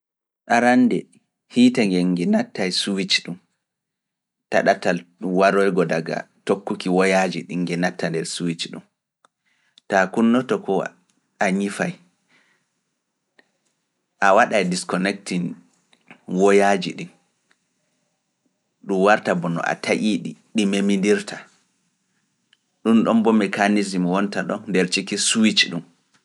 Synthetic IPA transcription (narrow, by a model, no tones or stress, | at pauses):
ɗaɾandɛ | hiːtaŋɡɛɡɛnatːajsuwit͡ʃɗum | ta̰ɗatalwaɾɔjɡɔdaɡa̰tokːukiwɔjad͡ʒiɗiŋːɡɛnatːandɛɾsuwit͡ʃɗṵm | takunːɔtɔkɔ | aɲifaj | ʔawaɗajdiskɔnɛk̚tin | wɔjad͡ʒiɗin | ɗumwaɾtabɔnɔ̰ʔa̰tʰaʔiɗiɗimemindiɾtʰa | ɗunɗɔmbɔmɛkanizimwɔntaɗɔ̰ndɛɾt͡ʃikisuwit͡ʃɗum